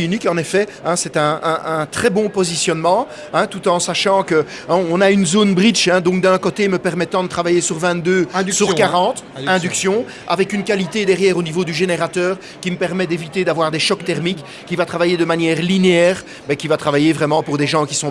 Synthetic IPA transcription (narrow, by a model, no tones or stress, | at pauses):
ynikɑ̃nefɛɛ̃sɛt̪ɛ̃ɛ̃ʔɛ̃t̪χɛbɔ̃pɔzisjɔnmɑ̃ | ɛ̃t̪ut̪ɑ̃saʃɑ̃kəɔ̃naynzoːnbʁit͡ʃɛ̃d̪ɔ̃k̚d̪œ̃kot̪eməpɛʁmɛt̪ɑ̃d̪ət̪χavajesyʁvɛ̃t̪̚d̪øːsyʁkaʁɑ̃t̪ɛ̃d̪yksjɔ̃ | a̰vɛkynkalit̪ed̪ɛʁjɛːʁonivod̪yʒeneʁat̪œːʁ | kʲiməpɛʁmɛd̪evit̪ed̪avwaʁd̪eɛʃɔkt̪ɛʁmikʲː | ivat̪χavajed̪əmanjɛːʁlineɛːʁ | bɛkʲivat̪χavajevʁɛmɑ̃puʁd̪eʒɑ̃kisɔ̃